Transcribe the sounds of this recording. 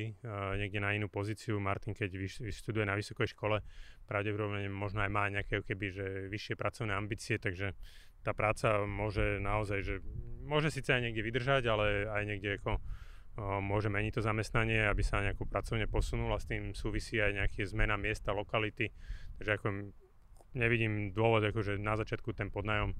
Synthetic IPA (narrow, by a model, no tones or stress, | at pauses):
iɲɛɡɟɛnainuːpɔziːt͡siumaɾt̪iŋkɛɟʋiiʃt̪ud̪ujɛnaʋisɔkɛjʃkɔlɛpɾaʊɟɛpɔd̪ɔbɲɛmɔʒnɔajmaːɲɛakɛakɔkɛbiʒɛʋiʃːɪɛpɾʔat͡sɔʊnɛːambiːt͡siɛt̪aɡʒɛ | t̪aːpɾaːt͡samʊɔʒɛnaɔzajʒɛmʊɔʒɛsiːt͡sɛajɲɪɛɡɟɛʋid̪r̩ʒaɟalɛajɲɛɡɟɛakɔ | mʊɔʒɛmɛɲic̚t̪ɔzamɛst̪naɲɪɛabisaɲɛakɔpɾat͡sɔʊɲɛpɔsunulast̪iːmsuːʋisiːajɲɛakizmɛnamɪɛst̪alɔkalit̪it̪aɡʒɛakɔ | ɲɛʋiɟiːmd̪ʊɔʋɔd̪akɔʒɛnazat͡ʃɪat̪̚kut̪ɛmpɔd̪najɔm